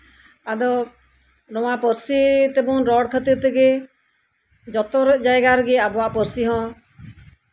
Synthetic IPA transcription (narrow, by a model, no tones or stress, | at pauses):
ad̪ɔ | ɾɔwapəɾsit̪ɛbuŋɾɔɽkʰət̪iɾt̪ɛɡɛ | d͡ʒɔt̪ɔɾd͡ʒajɡaɾɡɛabɔwaʔpəɾsiɦɔ̃